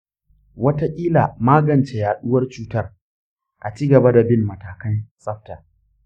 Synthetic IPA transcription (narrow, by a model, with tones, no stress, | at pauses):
wɐ˦ta˦ʔʲʼiː˦laː˨maː˦ɡɐ˨nt͡ʃe˨jaː˨ɗʊ˦wɐ˦rt͡ʃuː˦tɐ˦˨r | ʔa˨t͡ʃiː˦ɡɐ˨ba˦da˨bɪ˦mːɐ˨taː˨kɐ˦nsʼɐ˦ɸta˨